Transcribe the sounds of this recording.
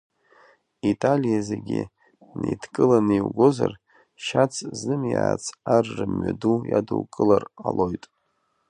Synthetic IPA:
itʼalijazeɡʲi | nejdʰkʼɨlanɨiwɡʷozar | ʃat͡sʰzɨmjaːt͡sʰarːɨmːɥadujaduwkʼɨlaralo̞jtʼ

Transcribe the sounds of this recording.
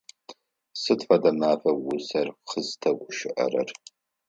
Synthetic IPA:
sɨtfʷɐdɐmaːfɐwʊsɐrqəztʰɐɡʷʊʃɪʔɐ̰rɐ̰r

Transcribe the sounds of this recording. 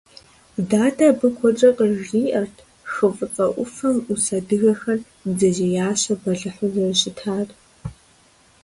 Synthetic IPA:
daːtʰabɨkʷʰɔʈ͡ʂʼɐqəiːʔɐrtʰ | xɨfʼɨt͡sʼɐʔʷʊfɐmusɐdɨɣɐxɐr | bzɐzeːjaːɕɐbɐɮɨħʊzɐrɕɪtʰaːr

